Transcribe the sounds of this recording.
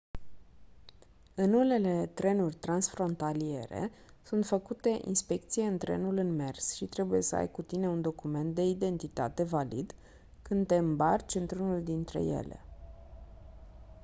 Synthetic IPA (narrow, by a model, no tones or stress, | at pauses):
ɨnune̞le̞t̪ɾe̞nurʲt̪ɾansfɾo̞nt̪alie̞̰ɾe̞̰ | sunt̪fəkut̪e̞ʔḭnspe̞k̚t̪sijeɨnt̪ɾe̞̰nulɨnme̞̰rsʃit̪ɾe̞buje̞səa̰jkut̪ine̞und̪o̞kume̞nt̪̚d̪e̞id̪e̞nt̪it̪a̰t̪e̞valḭd̪ | kɨnd̪t̪e̞ɨmbart͡ʃɨnt̪ɾunuld̪int̪ɾe̞̰je̞̰lḛ